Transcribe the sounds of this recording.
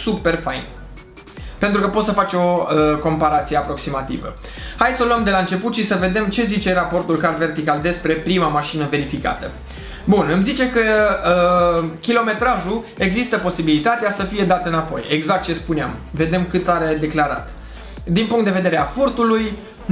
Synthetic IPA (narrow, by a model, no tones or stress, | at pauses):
supe̞rfajn | pe̞nt̪ɾukəpo̞t̪səfat͡ʃo̞əko̞mpaɾat̪sije̞apɾo̞ksimat̪ḭvə̰ | hajsəluəmd̪elaɨnt͡ʃe̞put̪ʃisəve̞d̪e̞mt͡ʃe̞zit͡ʃe̞ɾapo̞rt̪ulkarve̞rt̪ikald̪e̞spɾe̞pɾimamaʃinəve̞ɾifika̰t̪ə | bunɨmzit͡ʃe̞kəəkʲilo̞me̞t̪ɾaʒu | e̞ɡzist̪əpo̞sibilit̪at̪easəfije̞d̪at̪əɨnapo̞̰je̞ɡzak̚t̪̚t͡ʃe̞spuneamve̞d̪e̞mkɨt̪aɾe̞d̪e̞klaɾa̰t̪ | d̪inpuŋkt̪d̪eve̞d̪e̞ɾeafurt̪uluj